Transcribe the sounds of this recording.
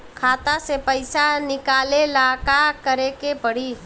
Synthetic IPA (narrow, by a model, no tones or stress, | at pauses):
kʰat̪asepəjsanikalelakakəɾekepəɽ̤i